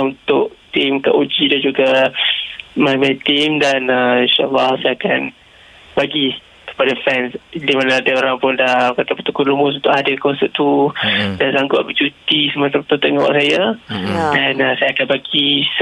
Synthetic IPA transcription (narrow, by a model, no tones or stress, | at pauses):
unt̪ʊʔt̪ɪmka̰ʔud͡ʒidand͡ʒuɡa | mamat̪imdanainʃaʔa̰lːahsajakan | baɡi | kə̥padafɛnsdimanaadəoɾaŋpʊndahkat̪apət̪ukʊnlumʊs̬unt̪ʊʔadəkɔnsəʔ̚t̪udansaŋɡʊt̪̚bət͡ʃut̪isəmat̪at̪ut̪əŋɔwa̰ʔsaja | danasajakanbaɡis